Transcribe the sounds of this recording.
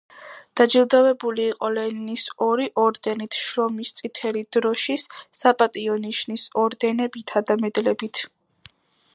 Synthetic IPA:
d̪̥ad͡ʒilˠd̪avɛbuliːqʼɔlɛninisɔɾiʔɔɾd̪ɛnit̪ʰʃɾɔmist̪sʼit̪ʰɛlid̪̥ɾɔʃisːapʼat̪ʼiɔniʃnisɔɾd̪ɛnɛbit̪ʰad̪amɛd̪lɛbit̪ʰ

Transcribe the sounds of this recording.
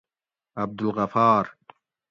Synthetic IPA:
ʔab̚d̪ɪlɣafɑːɾˤ

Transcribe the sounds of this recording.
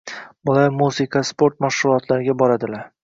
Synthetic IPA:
bʊlaɾmuzɪkʰaspʰo̞ɾt̪maʃɾʊlˠɒt̪ʰlaɾɪɡʲabɒɾad̪ɪlaɾ

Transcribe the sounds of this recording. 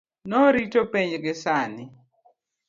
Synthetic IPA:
nɔɾitopeɲɡɪsanɪ

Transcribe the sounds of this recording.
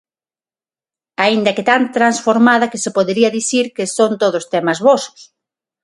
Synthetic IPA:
aind̪ɐket̪ant̪ɾansfoɾmaðɐkesepoðeɾiɐðiθiɾkesont̪oð̞ost̪ɛmɐzβosʊ̥s

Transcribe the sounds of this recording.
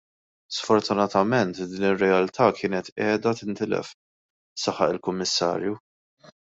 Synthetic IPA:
sfɔɾt̪ʊnɐt̪ɐmɛnt̪d̪iːnɪrːɛɐlt̪ʰɐːkʰɪːnɛt̪ɛːd̪ɐt̪ɪnt̪ɪlɛ̰f | sɐħɐ̰ʔɪlkʊmːɪsːɐ̰ːɾju

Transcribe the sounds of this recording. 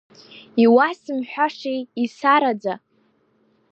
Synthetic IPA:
iwasɨmħʷᶣaʂejisaɾad͡za

